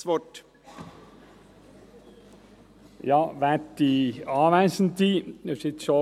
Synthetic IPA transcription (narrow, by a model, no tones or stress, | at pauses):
ʋɔʈ | jɑːʋæʈiɑːʋæsn̩t̪ʰiːsɪt̪sɔ